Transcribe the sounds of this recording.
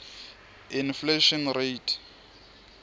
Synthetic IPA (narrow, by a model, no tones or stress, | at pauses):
infleʃɔnretʰ